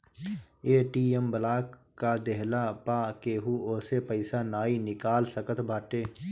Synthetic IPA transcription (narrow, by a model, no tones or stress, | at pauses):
eːʈiːembəlaːk | kːad̪eɦlapaːkeːɦuoːsepəɪsanaːinɪkaːlsəkət̪ʰbʱaːʈeː